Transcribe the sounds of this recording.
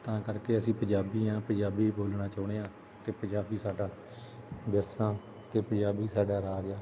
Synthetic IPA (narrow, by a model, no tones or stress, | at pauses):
t̪ãːkəɾkeːəsĩːpə̃d͡ʒaːbiːãːpə̃d͡ʒaːbiːboːlɳãːt͡ʃaːɽ̃eːãː | t̪eːpə̃ɲd͡ʒaːbiːsaːɖaː | b̪əɾsãː | t̪eːpəd͡ʒaːbiːsaːɖaːɾaːd͡ʒaː